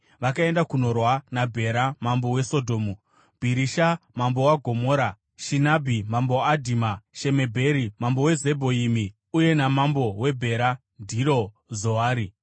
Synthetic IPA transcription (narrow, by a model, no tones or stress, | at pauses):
ʋakae̞ndakuno̞rwanabʱe̞ɾamambo̞we̞so̞dʱo̞ːmu | b̥ʱiɾiʃamambo̞waɡʱo̞mo̞ːɾa | ʃinabʱimambowaːdʱimaʃe̞me̞bʱe̞ɾimambo̞we̞ze̞bʱo̞imi | uje̞namambo̞we̞bʱe̞ɾa | ndʱiɾo | zoaːɾi